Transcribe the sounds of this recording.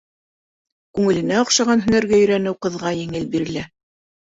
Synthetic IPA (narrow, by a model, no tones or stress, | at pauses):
kʉŋɘ̆lɘ̆næŏχʃɑʁɑnɦɵ̆næɾɡæɵ̆ɾænɘwqɤ̆ðʁɑjɘ̆ŋɘlbiɾɘ̆læ